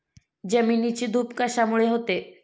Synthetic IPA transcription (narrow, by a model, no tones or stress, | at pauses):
d͡ʑəminit͡ɕid̪ʱupkaʃamuɭeɦot̪e